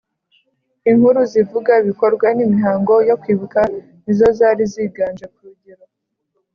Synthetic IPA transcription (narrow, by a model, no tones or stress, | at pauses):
iŋhuɾuzivuɡaiβiko̞ɾɡwanimiɦaːŋɡo̞jo̞kwiːβuka | nizo̞zaːɾiziːɡaːnd͡ʒekuuɟiɾa